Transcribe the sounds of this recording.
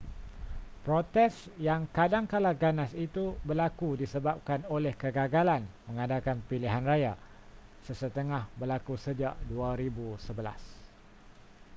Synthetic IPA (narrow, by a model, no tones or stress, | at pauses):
pɾot̪ɛsjaŋkadaŋkalaɡanasit̪ubərlakudisəbap̚kanolɛhkəɡaɡalanmə̃ŋadakanpiliɦanraja | səsət̪əŋahbərlakusəd͡ʒaʔduaɾibusəbəla̰s